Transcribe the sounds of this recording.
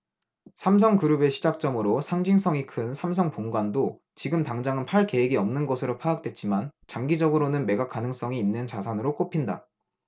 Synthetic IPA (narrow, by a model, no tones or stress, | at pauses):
sʰams̬ʰʌŋkɯɾube̞ɕʰid͡ʑak̚t͡ɕ͈ʌmɯɾosʰaŋd͡ʑiŋs͈ʌŋikʰɯnsʰamsʰʌŋpoŋɡwando | t͡ɕiɡɯmtaŋd͡ʑaŋɯnpʰaɭke̞eɡiʌmnɯnɡʌsʰɯɾopʰaak̚t͈we̞t̚t͡ɕ͈imant͡ɕaŋɡid͡ʑʌɡɯɾonɯnme̞ɡak͈anɯŋs͈ʌŋiːnːɯnt͡ɕasʰanɯɾok͈opʰinda̰